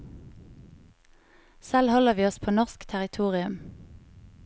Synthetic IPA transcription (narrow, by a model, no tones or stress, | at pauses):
sɛlhɔləʁʋiːɔspʰoːnɔʁskt̪ʰæʁɪt̪ʰuːʁɪʉm